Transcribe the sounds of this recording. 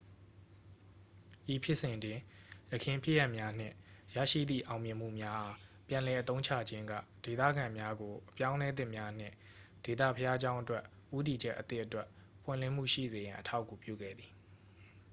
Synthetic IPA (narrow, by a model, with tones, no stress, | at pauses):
ʔi˨pʰjɪ˦ʔsɪ̃˨dɪ̃˨jəkʰɪ̃˨mpʰjɪ˦ja˦ʔmja˦n̥ɪ̰̃˦˨jä̰˦˨ʃḭ˦˨d̪ðḭ˦˨ʔã˨ʊ̃mjɪ̃˨m̥ṵ˦˨mja˦ʔa˨pjã˨lɛ˨ʔət̪õ˦ʊ̃t͡ɕʰa̰˦˨d͡ʑɪ̃˦ŋɡä̰˦˨d̥e˨t̪ä̰˦˨ɡã˨mja˦ɡo˨ʔəpjã˦ʊ̃lɛ˦d̪ɪ̰̃˦˨mja˦n̥ɪ̰̃˦˨ | d̥e˨t̪ä̰˦˨pʰəja˦d͡ʑã˦ʊ̃ʔətwɛ˦ʔ | ʔu˦t̬i˨d͡ʑɛ˦ʔət̪ɪ˦ʔətwɛ˦ʔ | pʰwɪ̰̃˦˨lɪ̃˦˨m̥ṵ˦˨ʃḭ˦˨ze˨jã˨ʔətʰa˦ʊkːu˨pjṵ˦˨ɡɛ̰˦˨d̪ði˨